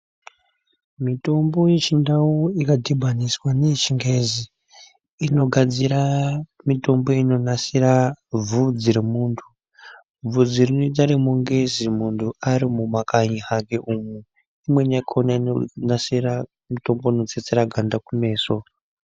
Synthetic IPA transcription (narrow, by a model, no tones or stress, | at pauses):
mito̞mbo̞je̞t͡ʃindawoikadʱibʱaniswane̞t͡ʃiŋɡe̞ziː | no̞ɡʱad͡ziɾamito̞mbo̞ino̞nasiɾab͡vud͡ziɾemuːntʰu | b͡vud͡zirinid͡zaɾimuŋɡe̞zimuntʰuaɾimumakaɲihakeʔumu | imwe̞nakʰonainonasira | mito̞mboino̞t͡set͡seɾaɡʱandakume̞ːso